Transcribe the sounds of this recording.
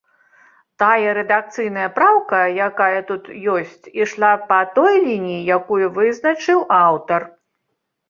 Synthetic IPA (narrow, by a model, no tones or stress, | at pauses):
t̪ajɐɾɛd̪ak̚t̪sɨjnɐjɐpɾawkɐjakajɐt̪ut̪jɔsʲt͡sʲiʂlˠapɐt̪ɔjlʲinʲijijakujuvɨznɐt͡ʂɨwawt̪ɐr